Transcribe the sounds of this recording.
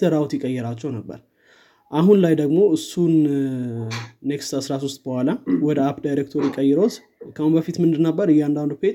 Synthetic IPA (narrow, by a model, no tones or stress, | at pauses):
səɾawt̪jɪkʼːəjːɛɾat͡ʃːɛwnəbːə̰ɾ | ʔaɦunlajd̪əɡmo̞ɨsːun | ekst̪ʰasɾas̬ost̪ʼbəhʷwalawɔd̪əapd̪ajɾek̚t̪ʰoɾjɪkʼːəjːɛɾot̪ | kʰəhumbəfit̪mɨnd̪ɨnəbːəɾɨjːand̪and̪upet̪